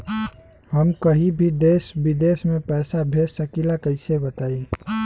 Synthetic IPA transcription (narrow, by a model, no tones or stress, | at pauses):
həmkəɦibʱid̪eːsbid̪eːsmẽpɛːsabʱesəkilakəɪsebət̪aːi